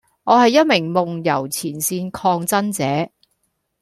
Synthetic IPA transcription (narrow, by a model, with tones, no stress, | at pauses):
ŋɔː˨˧hɐ˨jːɐ˥t̚mɪ˨˩ŋmʊ˨ŋjɐ˨˩wt͡sʰiː˨˩nsiː˧nkʰɔː˧ŋt͡sɐ˥nt͡sɛː˨˥